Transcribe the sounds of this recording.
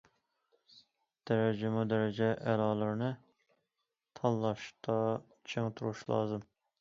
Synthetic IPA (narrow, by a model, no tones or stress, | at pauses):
d̪̥ɛɾɛd͡ʒɪmud̪ɛɾɪd͡ʒɛʔælɑːlˠɨɾnɨ | t̪ʰɑlːˠɑʃt̪ʰɑ | t͡ʃʰeŋt̪ʰuɾuʃlˠɑ̰ːzɨm